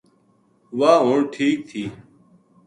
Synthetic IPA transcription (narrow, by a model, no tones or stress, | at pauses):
ʋaːɦũːɳʈʰiːk̚t̪ʰiː